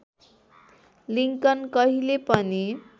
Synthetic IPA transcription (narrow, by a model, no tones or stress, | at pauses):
liŋkʌnkʌɦilepʌni